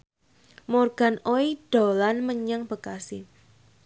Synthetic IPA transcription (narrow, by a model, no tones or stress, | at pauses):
morɡ̥anoid̥olanməɲaŋb̥əkasɪ